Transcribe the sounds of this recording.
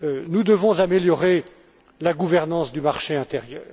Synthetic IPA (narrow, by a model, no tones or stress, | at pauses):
nud̪əvɔ̃zameljɔʁe | laɡuvɛʁnɑ̃sd̪ymaʁʃeɛ̃t̪eʁjœːʁ